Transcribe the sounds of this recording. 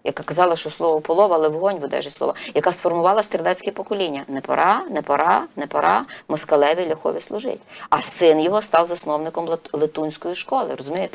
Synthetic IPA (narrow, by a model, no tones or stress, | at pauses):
jɐ̰kakɐzɑlˠɐʃt͡ʃɔslˠɔʋɐpɔlˠɔʋɐlˠɛwɦɔnʲʋʊd̪ɛ̰ʒɪsˠɔ̰ʋɐjɐkasfɔrmʊʋɑlˠɐst̪ɾʲɪlˠɛt͡sʲkʲɛpɔkɔlʲinʲːɐnɛpɐ̰ɾʔɑnɛpɐɾɑnɛpɐɾʔɑmɔskɐlˠɛʋʲilʲɐxɔ̰ʋʲislˠʊʒɪ̰tʲɐsɪnjɔɦɔst̪ɑwzɐsnɔwnɪkɔmlˠlˠet̪unʲsʲkɔjiʃkɔlˠɪ̰ɾɔzʊmʲejet̪ɪ